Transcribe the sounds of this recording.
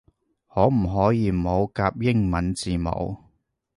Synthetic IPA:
hɔː˨˥m̩˨˩ɦɔː˨˥jiː˨˧˨mo˨˧wkaː˧p̚jɪ˥ŋmɐ˨˥nt͡siː˨˩mo̰˨˧w

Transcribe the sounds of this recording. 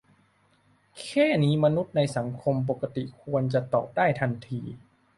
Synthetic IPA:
kʰeː˥˩niː˦˥ma˧nu˦˥t̪̚na˧jsa˩˦ŋkʰo˧mp̬o˨˩ka˧t̪i˨˩kʰu˧ənt͡ɕa˨˩t̪ɔː˨˩p̚daː˥˩jt̪ʰa˧nt̪ʰiː˧

